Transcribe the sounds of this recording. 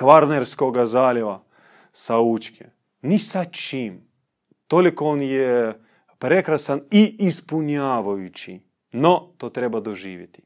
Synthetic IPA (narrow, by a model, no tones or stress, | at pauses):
kʋaɾneɾskoɡazaːljeʋa | sauːt͡ʃkʰḛ | nisat͡ʃiːm | t̪olikooːnje | pɾekɾasaniːspuɲaːʋajut͡ʃḭ | not̪oːt̪ɾebad̪oʒiːʋjet̪i̥